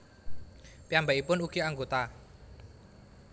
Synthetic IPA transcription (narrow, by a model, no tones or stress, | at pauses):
piambaipʊnuɡ̥iaŋɡot̪a